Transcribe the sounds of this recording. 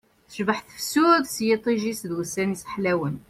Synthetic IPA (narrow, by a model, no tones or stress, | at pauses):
θə̥ʒbaħθə̥fsud̪sjit̪ˤiʒisd̪wəsːænisħlæwən